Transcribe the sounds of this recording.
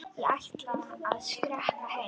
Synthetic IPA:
iaht̪laaðskɾɛhtahɛ

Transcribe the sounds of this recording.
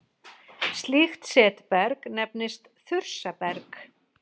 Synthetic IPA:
st̪lixt̪sɛːt̪pɛɾknɛpnɪst̪ | θʏɾ̥sapɛɾk

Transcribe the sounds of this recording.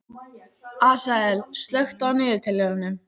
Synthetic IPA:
aːsaɛlst̪lœɥxt̪awnɪːðɪɾ̥t̪ʰɪlːɛɾanːʏm

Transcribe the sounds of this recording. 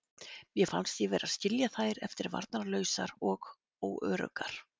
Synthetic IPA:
mjɛfa̰nst̪jɛvɛːɾaðscɪljaθajɾɛft̪ɪɾva̰ɾt̪naɾlœːɥsaɾɔɣ | oːwœːɾœ̰kaɾ̥

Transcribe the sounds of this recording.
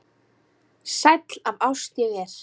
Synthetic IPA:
sajt̪lavaːwst̪ɛɣɛɾ̥

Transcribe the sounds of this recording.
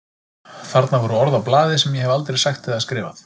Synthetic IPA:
θaɾt̪navɔɾuɔɾðawplaːðɪsɛmjɛhɛvalt̪ɾejsaxt̪ʰːɪðaðskɾɪːva̰θ

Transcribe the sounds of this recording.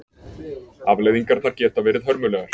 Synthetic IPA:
avlejðiŋkaɾ̥θaɾ̥cɛːt̪avɛːɾɪðɦœɾmʏlɛːɣaɾ̥

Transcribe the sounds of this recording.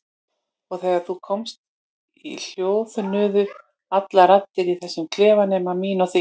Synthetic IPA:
ɔɣθɛːɣaɾ̥θukʰɔmst̪̚ | il̥joːwvʏnʏːðʏ | at̪laɾat̪ːɪɾiθɛsːɪmkʰlɛːvanɛːmamiːnɔθi

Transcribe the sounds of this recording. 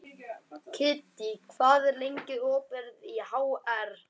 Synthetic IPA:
cʰɪːt̪ikʰv̥aːðɛɾlejɲcɪðɔːpɛɾðihaːwɛɾ

